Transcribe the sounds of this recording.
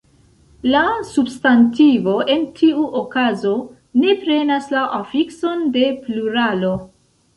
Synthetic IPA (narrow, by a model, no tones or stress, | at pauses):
lasubstantivo̞ʔe̞ntʰiuʔo̞kazo̞ | ne̞pɾe̞naslaʔafikso̞nde̞pluɾalo̞